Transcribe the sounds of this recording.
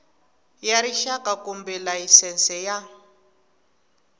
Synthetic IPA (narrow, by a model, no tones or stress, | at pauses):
jaɾiʃakakumbɛlaisɛnsɛja